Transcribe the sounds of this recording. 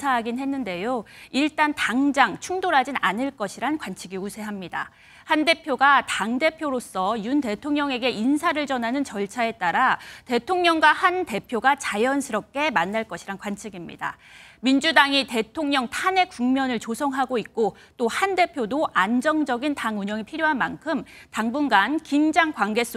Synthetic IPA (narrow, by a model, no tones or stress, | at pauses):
sʰaɦaɡinhe̞nːɯnde̞joiɭt͈antaŋd͡ʑaŋt͡ɕʰuŋdoɾɦad͡ʑinanɯɭk͈ʌɕʰiɾankwant͡ɕʰiɡiusʰe̞ɦamɲida̰ | hande̞pʰjoɡataŋde̞pʰjoɾos͈ʌjunte̞tʰoŋɲʌŋe̞ɡe̞ʔinsʰaɾɯɭt͡ɕʌnɦanɯnt͡ɕʌɭt͡ɕʰae̞t͈aɾate̞tʰoŋɲʌŋɡwahande̞pʰjoɡat͡ɕajʌnsʰɯɾʌp̚k͈e̞manːaɭk͈ʌɕʰiɾankwant͡ɕʰiɡimɲḭda̰mind͡ʑudaŋite̞tʰoŋɲʌŋtʰane̞kuŋmjʌnɯɭt͡ɕosʰʌŋɦaɡoik̚k͈o | t͈ohande̞pʰjodoʔand͡ʑʌŋd͡ʑʌɡintaŋuɲʌŋipʰiɾjoɦanmankʰɯmtaŋbunɡankind͡ʑaŋkwaŋɡe̞s͈ʰ